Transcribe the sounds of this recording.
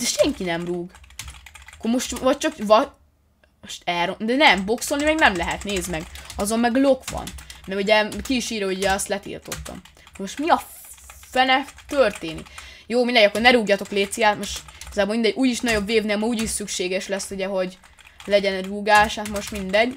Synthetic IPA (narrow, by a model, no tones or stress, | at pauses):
d̪ɛʃɛŋkinɛmruːɡ | ɒkːoɾmo̞ʃt̪vɒc̚t͡ʃɒkvɒ | moʃt̪ɛlɾod̪ɛnɛmbo̞kso̞lnimɛɡnɛmlɛɦɛt̪neːzmɛɡɒzo̞mmɛɡlo̞kʋɒ̰nmɛuɟɛkiːʃiːɾooɟuɟɛɒst̪lɛt̪ḭlt̪o̞̰t̪ːɒ̰m | koɾmo̞ʃt̪miɒ | fɛlɛt̪ørt̪eːnḭkjoːmind̪ɛɟɒkːo̞rnɛɾuːɡjɒt̪o̞kleːt̪sijaːt̪mo̞ʃt̪ɛɡɒzaːbolmind̪ɛɟuːjiʃnɒɟo̞bveːvneːlmɒuːɟiʃsykʃeːɡɛʃlɛsːuɟɛɦo̞ɟ | lɛɟɛnɛruːɡaːʃhaːt̪mo̞ʃt̪mind̪ɛɟ